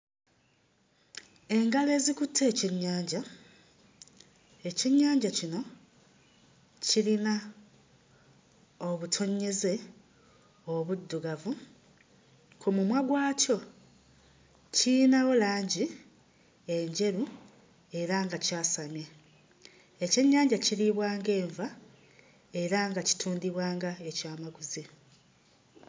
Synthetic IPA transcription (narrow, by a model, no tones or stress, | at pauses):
e̞ŋɡale̞ːzikutʰːe̞ːciɲːaːɲɟa | e̞ciɲːaːɲɟacino̞ | cilina | o̞βutʰo̞ɲːe̞ze̞ | oβudːuɡavu | kʰumumwaɡwaːco̞ | cinaɣo̞laːɲɟi | e̞ɲɟe̞ɾu | e̞ɾaŋɡacaːsamje | ece̞ɲːaːɲɟaciliβwaːŋɡe̞ːɱva | e̞ɾaŋɡaci̥tʰuːndiβwaːŋɡaecaːmaɡuzi